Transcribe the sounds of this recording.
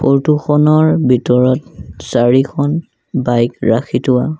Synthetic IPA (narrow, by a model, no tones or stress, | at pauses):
poɹtuxʰɔnɔɹbʱitɔɹɔtsaɹikʰɔn | bajkɹakʰitʊwa